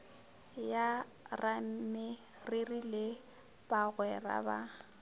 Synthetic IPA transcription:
ja | rʔamɪ | rɪrile | baɣwɛra̰ba

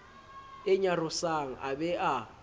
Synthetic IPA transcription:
ɪɲarʊsaŋ̩ʔabɛʔa

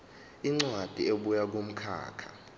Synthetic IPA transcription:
iŋ͡ǀwad̥ʱieɓujak̬om̩kʰa̰ːkʰḁ

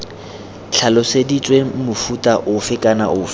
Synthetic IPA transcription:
ɬʰalɔsedit͡sʼwemʊfutʼaʔʊfɪkʼana̰ʔʊːf

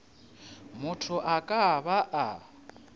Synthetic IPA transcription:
mʊtʰʊʔakʼaβaʔa

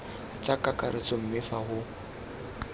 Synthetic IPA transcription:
t͡ʃʼakʼakʼaɾɪt͡sʼɔm̩mɪfahʊ

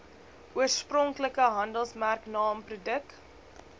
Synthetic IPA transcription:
ʔuərsprɔŋkləkəɦɐndəlˠsmærknɑːmprodəkt

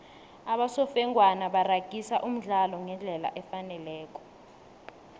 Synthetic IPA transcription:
aɓasɔfɛŋwanaɓaraɡ̥ʱisaʔum̩ɮalɔŋɛnd͡ɮʱɛla̰ʔɛfanɛlɛːk̬ʼɔ̥

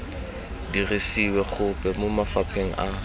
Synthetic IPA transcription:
diresiwɛχʊpʼɛmʊmafapʰeŋ̩ʔa

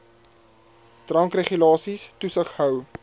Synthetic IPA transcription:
trɐŋkreχylɑːsistusəχɦœw

